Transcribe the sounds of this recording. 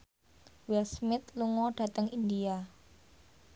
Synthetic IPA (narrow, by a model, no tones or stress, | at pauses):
wɛlsmɪt̪̚luŋɔɖ̥a̤t̪əŋindia